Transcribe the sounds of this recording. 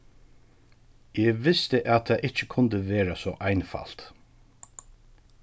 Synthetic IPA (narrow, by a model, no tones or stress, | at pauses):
eːɡʋɪst̪əʔat̪ʰːaːʔɪt͡ʃəkʰʊnd̪əʋeːɾasɔːʔɑjnfa̰l̥t̪